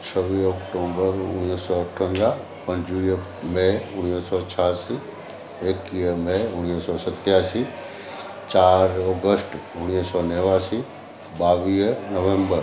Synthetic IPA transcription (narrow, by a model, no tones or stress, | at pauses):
t͡ʃʰəʋiɔːkʈoːbəɾʊnːisɔəʈʰə̃nd̪ɾa | pə̃ɲd͡ʒu | meʊnːisɔt͡ʃʰaːsi | eːkiəmeʊnːisɔsət̪jaːsi | t͡ʃaːɾɔɡəsʈʊñisɔneʋasi | baːʋiːnəʋẽmbəɾ